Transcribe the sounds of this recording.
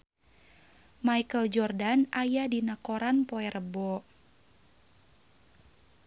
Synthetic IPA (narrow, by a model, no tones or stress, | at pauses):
maikəld͡ʒɔrdanajadinakoɾanpɔɛrəbɔ